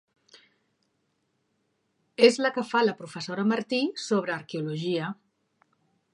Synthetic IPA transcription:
ezləkəfaləpɾufəsoɾəməɾt̪isoβ̞ɾəːɾkeuluʒiə

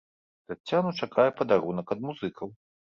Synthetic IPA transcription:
t̪at͡sʲːanut͡ʂakʰajɛpɐd̪aɾunɐkɐd̪̚muzɨkʰɐw

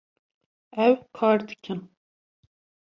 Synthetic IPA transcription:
ɛwkʰɑːɾd̪ɨkʲʰɨn

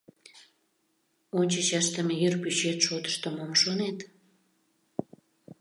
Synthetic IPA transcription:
onʲt͡ɕət͡ɕɑʃt̪əmejyrpyt͡ɕet̪ʃot̪ə̥ʃt̪omomʃonet̪

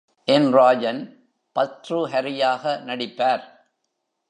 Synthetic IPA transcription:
ʔɛnraːd͡ʒɐn | pɐt̪ɾuɦɐɾɪjaːɣɐnɐɽɪpːaːɾ

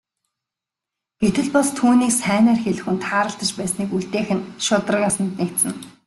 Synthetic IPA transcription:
ɡ̥et̪ɘ̆ɮpast̪ʰuːniːksæːnæːrxeɮɘ̆xŭnt̪ʰaːɾə̆ɬt̪ə̆t͡ɕpæːsniːkuɮt̪eːxɘ̆nʃʊt̪ə̆rə̆kʲasə̆nt̪̚nekt̪sɘ̆n

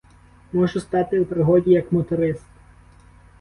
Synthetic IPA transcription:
mɔʒʊst̪ɑt̪ɪwpɾɪɦɔdʲijɐkmɔt̪ʊɾɪst̪

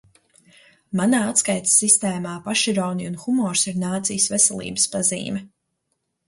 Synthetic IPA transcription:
manaːat̪skajt̪sist̪ɛːmaːpaʃiɾɔwniunxumɔːɾsiɾnaːt̪sijəsvɛsɛlˠḭːbəspazḭːmɛ

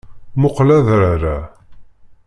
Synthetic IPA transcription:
mʊqlæðɾaɾa

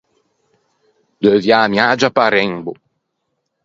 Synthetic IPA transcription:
d̪øvjaːmjaːd͡ʒapaɾɛŋbʊ

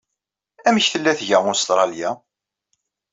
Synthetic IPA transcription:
æməçθəlːæθʝæʁʊɾst̪ɾˤɑljæ

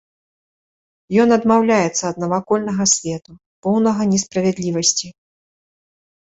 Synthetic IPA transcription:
jɔnɐd̪mawlʲajɛt̪sːɐːd̪̚nɐvakɔlʲnɐɣɐsʲvʲɛt̪u | pɔwnɐɣɐnʲɛspɾɐvʲɛd̪lʲivɐsʲt͡sʲi

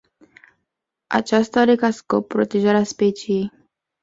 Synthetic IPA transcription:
a̰t͡ʃast̪aaɾekasko̞pːɾo̞t̪e̞ʒaɾeaspet͡ʃijej

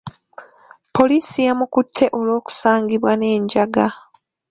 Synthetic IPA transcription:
po̞liːsijamukutʰːe̞ʔo̞lo̞ːku̥saːŋɡiβwane̞ːɲɟaɡa

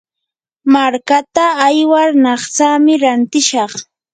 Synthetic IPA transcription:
maɾkat̪aːjwaɾnɑχt͡samɪɾant̪ɪʃɑχ

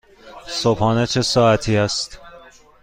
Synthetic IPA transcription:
sobhɒːnet͡ʃʰe̞sɒːæt̪ʰiːæst̪

